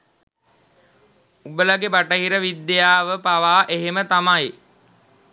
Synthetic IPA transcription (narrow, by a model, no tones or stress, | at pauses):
ubəlaɡebaʈəɦiɾəʋid̪ːejaːʋəpaʋaːʔeɦemət̪amaj